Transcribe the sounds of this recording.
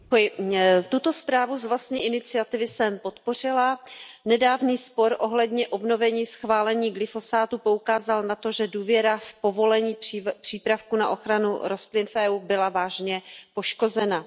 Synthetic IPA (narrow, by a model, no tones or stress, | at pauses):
ojɪt̪ut̪o̞spɾaːvuzvlast̪ɲiːʔɪnɪt͡sɪat̪ɪvɪsɛmpo̞t̪po̞r̝ɪlanɛdaːvniːspo̞ɾʔo̞ɦlɛdɲɛʔo̞bno̞vɛɲiːsxvaːlɛɲiːɡlɪfo̞saːt̪upo̞ukaːzalnat̪o̞ʒɛduːvjɛɾafpo̞vo̞lɛɲiːpr̝̥iːpɾafkunaʔo̞xɾanṵɾo̞st̪lɪnfʔɛːʔuːbɪlavaːʒɲɛpo̞ʃko̞zɛna